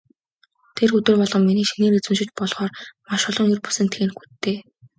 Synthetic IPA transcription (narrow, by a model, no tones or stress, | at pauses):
t̪ʰerxɵt̪wɘ̆rpɔɮʁɞ̆mːiniːʃiniːŋet͡swɘ̆mʃɪ̆t͡ɕpɔɮχɔːrmaʃɔɮɞ̆ŋirpu̥sɘ̆nt̪ʰɘ̆ːnxu̥t̪ʰːeː